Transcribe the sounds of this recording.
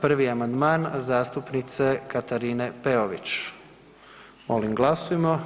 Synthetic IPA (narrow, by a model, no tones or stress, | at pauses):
pr̩ʋiamand̪maːnzaːst̪upnit̪se̞kat̪aɾine̞peoʋit͡ɕ | mo̰limɡlˠasujemo